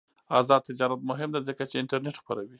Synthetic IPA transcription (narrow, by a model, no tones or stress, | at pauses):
ɑzɑd̪̚t̪ɪd͡ʒɑɾat̪̚mʊɦɪmd̪azəkat͡ʃeɪɳʈaɾneʈxpaɾawi